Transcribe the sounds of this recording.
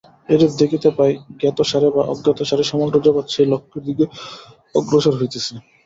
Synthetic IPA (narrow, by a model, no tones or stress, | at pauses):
eɾep̚d̪ekʰit̪epajɡɛt̪oʃaɾebaʔɔ̰ɡɛt̪oʃaɾeʃɔmolt̪od͡ʑɔbat̪ʃelokʰːeɾd̪ike | ɔɡɾoʃoɾɦojt̪et͡ɕʰe